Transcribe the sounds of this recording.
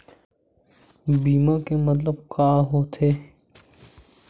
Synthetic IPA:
biːmãːkemət̪ləbkaːɦoːt̪ʰeː

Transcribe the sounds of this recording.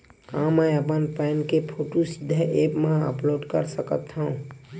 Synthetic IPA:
kãməjəpənpɛnkepʰoʈusid̪ʱːəʔepmãə̰ploɖkə̰ɾsəkət̪ʰːəũ

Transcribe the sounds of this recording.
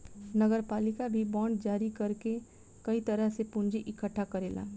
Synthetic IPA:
nəɡəɾpalikabʱibɔ̃ɳɖd͡ʒaɾikəɾke | kəit̪əɾəɦsepund͡ʒiʔikəʈʰːakəɾela̰

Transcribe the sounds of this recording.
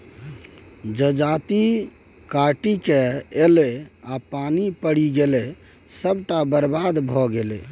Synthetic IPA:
d͡ʒəd͡ʒat̪i | kaʈikeːleapanipəɽiɡele | səbʈabəɾbad̪bʱɔɡelḛ

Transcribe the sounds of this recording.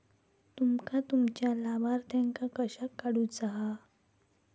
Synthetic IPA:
t̪umkat̪umt͡ɕjalabaɾt̪ʰjaŋkakəɕakːaɽuːt͡saɦa

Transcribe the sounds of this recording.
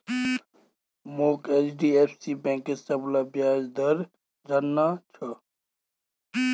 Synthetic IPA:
moːket͡ʃɖiːeːpʰsiːbɛ̃ːŋkesɐblabjaːd͡ʒd̪əɾ | ɾɐnːat͡ʃʰə

